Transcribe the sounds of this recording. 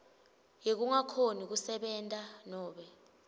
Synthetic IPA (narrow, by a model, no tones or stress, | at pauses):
jek̬uŋakʰonik̬usɛɓɛːntʼanɔːɓɛ